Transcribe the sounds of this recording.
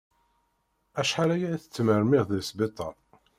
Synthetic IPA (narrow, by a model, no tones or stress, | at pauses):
æʃħaɾæjæθə̥t͡sːməɾmɪʁðəlsbet̪ˤːɑˤ